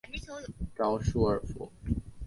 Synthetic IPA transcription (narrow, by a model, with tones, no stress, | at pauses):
ʈ͡ʂɑ˥ʊʂu˥ə˞˨˩fṵ˧˥